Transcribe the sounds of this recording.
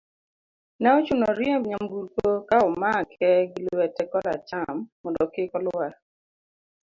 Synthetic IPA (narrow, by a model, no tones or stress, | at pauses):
nɛɔt͡ʃunoɾjemɲambukokaʊmakʰɛɡilɛtɛkɔla̰t͡ʃamːɔndɔkɪkɔla